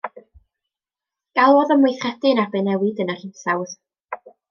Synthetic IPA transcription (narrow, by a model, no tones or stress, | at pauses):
ɡ̥alˠɔðəmwɪjθrɛdɨnabɨnɛwɨdənar̥ɪnsawð̥